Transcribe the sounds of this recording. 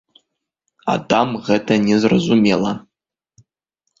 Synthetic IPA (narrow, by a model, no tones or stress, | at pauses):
a̰damʁɐtʰɐnʲezrɐzumelˠa